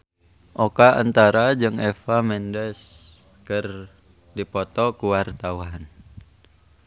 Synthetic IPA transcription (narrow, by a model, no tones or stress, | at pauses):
ʔokaant̪aɾad͡ʒɨŋɛfamɛndəs | kər | dipɔt̪ɔkuwart̪auwan